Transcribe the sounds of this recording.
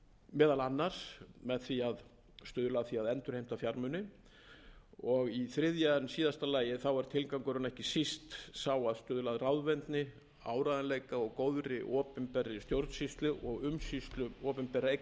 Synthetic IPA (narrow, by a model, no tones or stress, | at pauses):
mɛːðalanːaɾ̥smɛðθviað | st̪ʏːðʏlaːðθiaðɛnt̪ʏɾ̥ejm̥t̪afjaɾmʏnːɪ | ɔɣiθɾɪðjansiːðast̪alaːjɪθawɛɾ̥t̪ʰɪlkawŋkʏɾʏnɛhcɪsist̪sawaðst̪ʏːðʏlaːðrawðvɛnt̪nɪ | a̰ːwɾaðanlejkaɔɣkowðɾɪʔɔːpʏmpɛɾːɪst̪jowɾt̪sist̪lʏʔɔɣʏmsist̪lʏɔːpʏmpɛɾae